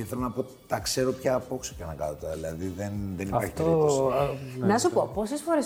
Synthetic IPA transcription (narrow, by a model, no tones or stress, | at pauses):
iθelonɐpo̞t̪it̪ɐkse̞ɾo̞pçɐːpo̞ksocɐnɐkɐ̰not̪ɐðilɐðiðenðeniɐɾçi̥t̪ei | nɐsupopo̞sesfoɾes